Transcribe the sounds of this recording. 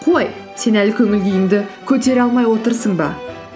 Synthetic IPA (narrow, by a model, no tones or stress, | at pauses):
qʰo̞j | se̞nælkʲʰɵŋʲɪlɡʲejɪŋd̪ɪkʲʰɵt̪e̞ɾɑlˠmɑjwo̞t̪əɾsəɴbɑ